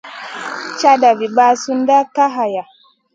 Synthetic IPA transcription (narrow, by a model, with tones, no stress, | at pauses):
t͡ʃa˦da˨vi˨ba˦su˦n˦da˦ka˦ɦa˨ja˨